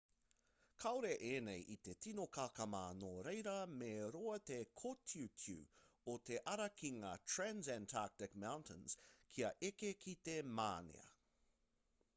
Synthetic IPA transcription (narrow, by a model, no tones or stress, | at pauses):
kʰaoɾeʔeːnejʔit̪etʰinokʰakɐmaːnoɾejɾɐmeɾoɐt̪ekʰotʰiutʰʉ̰ot̪e̞ʔɐɾɐkiŋaːtʰɹænzæntʰak̚tɪkmawntʰə̃nz̥kʰiɐʔekekʰit̪ema̰ːnḛɐ̰